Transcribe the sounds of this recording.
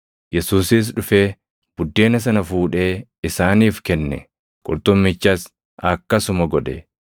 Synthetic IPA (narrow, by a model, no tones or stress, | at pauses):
jɛsuːsɪs̬ᶑʊfe̞ː | b̥ʊd̪ːe̞ːnɐs̬ɐnɐfuːᶑe̞ːɪsaːniːfkɛnːɛ̰ | kʼʊɾt̪ʊmːɪt͡ʃːɐs | ɐkːɐsʊmɐɡɔd̪ɛ